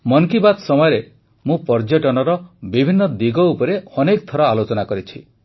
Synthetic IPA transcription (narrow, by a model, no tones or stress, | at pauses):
mɔŋkibad̪sɔmɔjɔɾe | mũpɔɾd͡ʒɔʈɔnɔɾɔbibʱinːɔd̪iɡɔupɔɾeɔnekɔt̪ʰɔɾɔalot͡ʃɔnakɔɾit͡ʃʰi